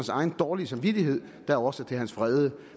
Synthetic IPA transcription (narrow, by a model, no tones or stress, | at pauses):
ænsɑ̈ɪn̩d̥ɒːlisɑ̈mʋid̥iɦe̝ð̰ˠ | d̥æɒ̽sət͡sʰe̝lɦænsfʁɛðˠə